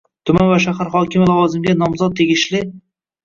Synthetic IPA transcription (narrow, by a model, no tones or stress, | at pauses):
t̪ʰʊmanvaʃahaɾχɒkʲʰɪmlˠɒvɒzɪmɡʲanɒmzɒt̪ʰːeɡʲɪʃlɪ